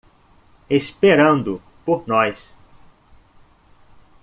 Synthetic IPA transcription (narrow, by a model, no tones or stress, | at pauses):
espeɾɐ̃nd̪ʊ | poɾnɔjs